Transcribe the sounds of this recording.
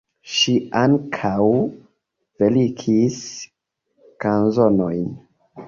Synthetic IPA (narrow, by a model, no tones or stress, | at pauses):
ʃiaŋkʰaw | velikʰis | kanzonojn